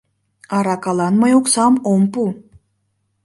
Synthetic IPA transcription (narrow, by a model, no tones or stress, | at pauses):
ɑɾɑkɑlˠɑnmɑjoqsɑmompu